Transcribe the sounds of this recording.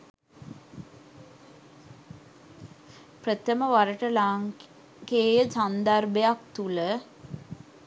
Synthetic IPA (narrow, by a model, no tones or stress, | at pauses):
prət̪əməʋaɾəʈəlaŋ | keːjəsand̪arbejak̚t̪ulə